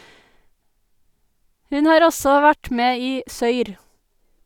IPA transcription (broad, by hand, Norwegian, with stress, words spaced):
ˈhʉn ˈhɑːɾ ˈɔsɔ ˈʋæʈ ˈmeː ˈiː ˈsœʏɾ